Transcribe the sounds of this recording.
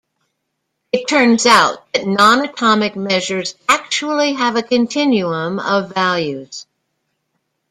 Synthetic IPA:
ɨtʰɜ̃˞nzaʊt̪̚ðɨtⁿnɑ̃nɨtʰɑmɨk̚mɛʒə˞zæk̚t͡ʃul̩ˠiɨvɨkʰɨ̃ntʰɪ̃njuə̃mʌvælˠjʉz̥

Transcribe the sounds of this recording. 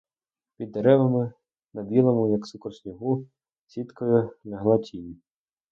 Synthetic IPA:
pʲid̪ːeɾɛʋɐmɪ | nɐbʲilˠɐmʊjɐksukɔrsʲnʲiɦu | sʲit̪kɔjʊnɐɦlˠɐtʲʰinʲi

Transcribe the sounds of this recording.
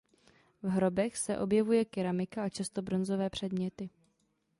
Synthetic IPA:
vɦɾo̞bɛxsɛ̰ʔo̞bjɛvujɛkɪɾamɪkaat͡ʃast̪o̞bɾo̞nzo̞vɛːpr̝̥ɛdmɲɛt̪ɪ

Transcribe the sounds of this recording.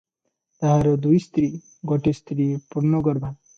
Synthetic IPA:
t̪aɦaɾod̪ujst̪ɾiː | ɡoʈest̪ɾiːpuɾnoɡɔɾbʱan

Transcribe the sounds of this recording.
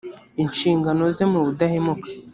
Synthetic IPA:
inʃiːŋɡano̞zemuβudahemukḁ

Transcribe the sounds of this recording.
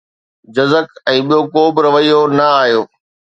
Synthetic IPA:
d͡ʑɐzəkɛ̃ːɓijokoːbɪɾɐʋəijonɐaːɦijoː

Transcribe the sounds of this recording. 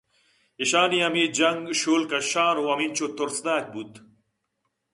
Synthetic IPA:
iɕaːniɐmid͡ʑɐŋɡɕoːlkɐɕaːɾowɐmint͡ɕot̪oɾsd̪aːk̚but̪

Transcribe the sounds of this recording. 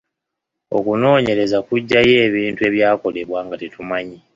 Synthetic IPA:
o̞̰kuno̞ːɲe̞ɾe̞zakuɟːaje̞ːβiːntue̞βjaːko̞le̞βwaːŋɡatetumaɲi

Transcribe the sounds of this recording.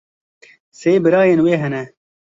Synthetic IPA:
seːbɨɾaːjeːnweːɦɛnɛ

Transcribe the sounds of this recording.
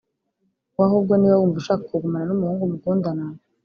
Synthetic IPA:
waɦob̚ɡoniːβawumvuʃakakoɡumananumuhuːŋɡumuɡuːndana

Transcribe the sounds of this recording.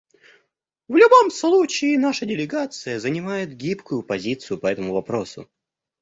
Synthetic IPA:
vlʲʊbo̞mslˠut͡ɕɪːnaʂədʲɪlʲɪɡat̪sɨjəzənʲɪmajɪt̪ɡʲipkʊjʊpɐzʲit̪sɨjʊpɐɛt̪əmʊvɐpɾo̞sʊ̰

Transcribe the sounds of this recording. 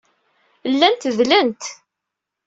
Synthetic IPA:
lːænt̪ðlənt̪

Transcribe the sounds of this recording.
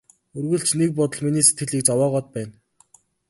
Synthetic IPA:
ɵrɣɵ̆ɬt͡ɕnek̚pɔt̪ɞ̆ɮminiːse̥t̪ɡɘ̆ɮiːk̚t͡sɔwɔːʁɔːt̪̚pæːn

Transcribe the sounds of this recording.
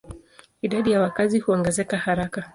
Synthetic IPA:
iɗaɗijawakazihuɔŋɡɛzɛkahaɾaka

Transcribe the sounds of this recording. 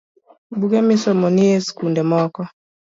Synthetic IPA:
bukɛmisɔmɔniɛskundɛmɔkɔ

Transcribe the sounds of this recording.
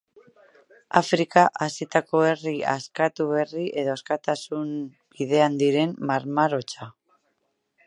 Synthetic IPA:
afɾikaʔasit̪ako̞e̞riaskat̪uβe̞riʔe̞ðo̞askat̪asun | biðe̞and̪iɾe̞mːaɾmaɾo̞t͡ʃa

